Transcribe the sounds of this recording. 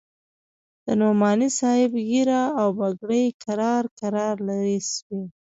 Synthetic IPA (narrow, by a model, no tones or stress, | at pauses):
d̪̥ənomɑnisɑhɪbɣiɾaːwbaɡɽəjkaɾɑɾkaɾɑɾlaɾiʃwe